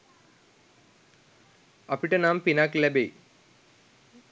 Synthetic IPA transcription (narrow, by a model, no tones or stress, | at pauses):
ɐpiʈːɐnaːmpinaːklɐbej